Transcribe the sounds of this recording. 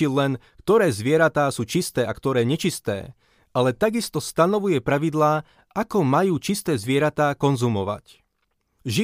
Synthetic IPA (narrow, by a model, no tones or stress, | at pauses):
ilɛn | kt̪ɔɾɛːzʋɪɛɾat̪aːsuːt͡ʃist̪ɛːakt̪ɔɾɛːɲɛt͡ʃist̪ɛ̰ː | alɛt̪aɡist̪ɔst̪anɔʋujɛpɾaʋid̪laː | ʔakɔmajuːt͡ʃist̪ɛːzʋɪɛɾat̪aːkɔnzumɔʋa̰c | ʒi